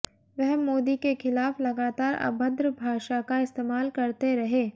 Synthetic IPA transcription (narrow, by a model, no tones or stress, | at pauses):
ʋɛɦmoːd̪ikexɪlaːflɐɡaːt̪aːɾɐ̰bʱəd̪ɾəbʱaːʃakaɪst̪eːmaːlkɐɾt̪eɾɐɦeː